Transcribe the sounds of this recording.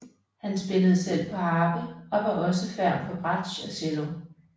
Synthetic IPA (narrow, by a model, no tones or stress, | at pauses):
hænsb̥e̝ləð̞̩ˠsel̰pʰɒ̽hɑ̈ːb̥əɒ̽ʋɑ̈ʔɒ̽səfæɐ̰mfʰɒ̽b̥ʁɑd̥ɕɒselo